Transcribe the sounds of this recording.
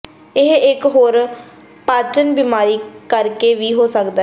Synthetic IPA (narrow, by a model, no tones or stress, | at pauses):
ɪɦɪkɦoːɾ | paːt͡ʃənbɪmaːɾiːkəɾkeːʋiːɦoːsəkd̪a